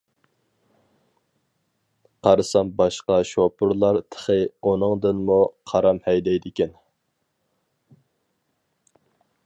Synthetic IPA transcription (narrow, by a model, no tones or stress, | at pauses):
qʰɑɾɨsɑmbɑʃqɑʃopʰʊɾlˠɑɾt̪ʰə̥χəunɨŋd̪ɨnmuqʰɑɾɑmhɛjd̪ɛjd̪ɪkʲɛn